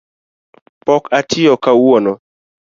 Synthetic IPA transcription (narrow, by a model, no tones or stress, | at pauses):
pɔkatʰɪɔkawɔnɔ